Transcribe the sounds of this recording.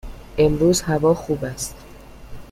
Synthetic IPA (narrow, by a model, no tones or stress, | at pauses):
ʔe̞mɾuːzhævɒːxuːbæst̪